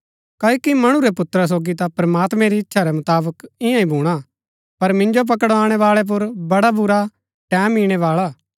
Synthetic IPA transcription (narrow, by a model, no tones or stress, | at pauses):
kɐːokimɐɽ̃ũɾɛpʊt̪ɾas̬oːɡit̪apɾɐmaːt̪mɛ̃ɾiɪtːʃʰaɾɛmɐt̪aːbəkɪ̃jãĩbʱuːɽ̃a | pɐɾmɪ̃nd͡ʒop̬ɐkəɽaːɽ̃ɛʋaːɭɛp̬ʊɾbɐɽabʊɾa | ʈɛːmiːɽ̃ɛʋaːɭaː